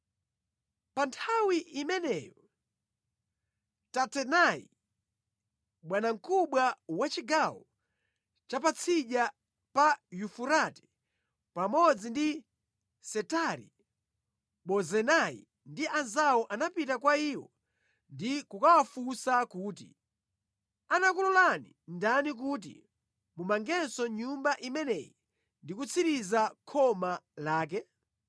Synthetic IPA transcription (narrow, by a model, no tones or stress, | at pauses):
pantʰawiʔimɛnɛjɔ | tatɛnaḭ | ɓwanaŋ̩kuɓwawat͡ʃiɡawɔ | t͡ʃapat͡sʰiɗa | pajufuɾatɛ̥ | pamɔd͡zindi | sɛtaɾḭ | ɓɔzɛnaḭ | ndiʔanzawɔʔanapitakwaiːwɔ̰ | ndikukawafusakuːtḭ | anakulɔlanḭ | ndanik̬ut̬ḭ | mumaŋɡɛnsɔɲumbaʔimɛnɛji | ndikut͡sʰiɾizakʰɔmalaːk̬ɛ